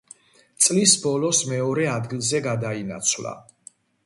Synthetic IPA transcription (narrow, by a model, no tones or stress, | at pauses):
t̪sʼlisbɔlɔsmɛɔɾɛad̪ɡilˠzɛɡad̪aina̰t̪sʰvla̰